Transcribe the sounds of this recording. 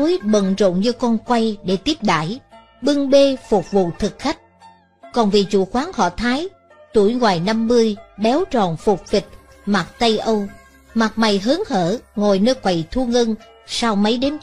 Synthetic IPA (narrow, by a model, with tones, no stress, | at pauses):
o˨˦jɓə̰˧˨nzo̰˧˨nɲɨ˧kɔ˧nkwa˧jɗe˧˩t̪i˦˥əp̚ɗa̰ː˧˥˨j | ɓɨ˧əŋɓe˧fʊ˨˩k͡p̚vṵ˧˨t̪ʰɨ˨˩k̚xa˦˥jk̟̚ | kɔ˨˩nvi˨˩t͡ɕu˧˩xwaː˨˦ŋhɔ̰˧˨t̪ʰaː˨˦j | t̪u˧˩əjŋwaː˨˩jna˧mːɨ˧əjɓɛ˨˦wt͡ɕɔ˨˩nfʊ˨˩k͡p̚fi˨˩k̚ | ma˨˩t̚t̪ə˧jʔə˧w | ma˨˩t̚ma˨˩jɦɨ˨˦ŋhəː˧˩ŋo˨˩jnəː˧jkwa˨˩jt̪ʰu˧əŋə˧n | saː˧wmə˨˦jɗe˨˦n